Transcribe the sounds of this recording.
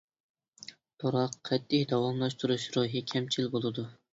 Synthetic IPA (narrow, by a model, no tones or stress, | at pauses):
t̪ʰoɾɑqʰːɛt̪ʰːɪhd̪ɑwɑmlˠɑʃt̪ʰuɾuʃɾuɦikʲʰɛmt͡ʃʰilbolˠɨd̪u